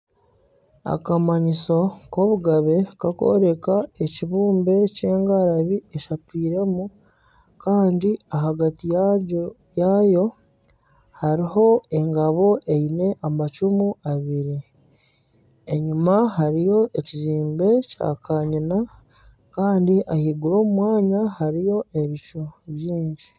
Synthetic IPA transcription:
a̰kamaɲisoko̞βuɡaβe̞kako̞̰ɾe̞kae̞ciβuːmbe̞ce̞ːŋɡaɾaβieʃapiːɾe̞mu | kaːndiaɦaɡatij | jajo̞ | haɾiɦo̞e̞ŋɡaβo̞ʔe̞ine̞ʔamat͡ʃumuaβiɾi | e̞ɲumaɦaɾijo̞ʔe̞ciziːmbe̞ca̰ːkʰaɲina | kaːndiʔahiɡuɾo̞ːmumwaːɲahaɾijo̞e̞βit͡ʃo̞βjiːɲɟi

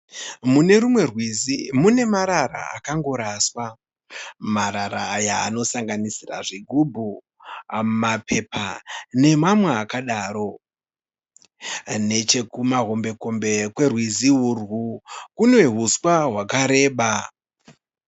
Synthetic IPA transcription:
mune̞rumwe̞rwiimune̞maɾaɾa̰a̰kaŋɡo̞ɾaswa | maɾaɾaːja̰ːno̞saŋɡanisira̰ʐiɡʱubʱu | ammapʰe̞pane̞mamweakaɗaːɾo̞ | ne̞t͡ʃe̞kumaɦo̞mbe̞ko̞mbe̞kwe̞rwiziurwukune̞ɦuswaɦwakaɾe̞ːɓa

